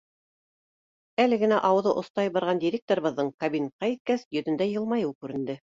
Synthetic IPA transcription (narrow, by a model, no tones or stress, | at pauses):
ælɘ̆ɡɘ̆næʔɑwɤ̆ðɤʔŏθt̪ɑjbɑɾʁɑnd̪ʲiɾʲek̚t̪oɾɤ̆βɤ̆ðːɤɴkɐbʲin̚qɑit̪̚kæsjɵ̆ðɘ̆nd̪æjɤ̆lˠmɑjɤwkʉɾɘ̆nd̪ɘ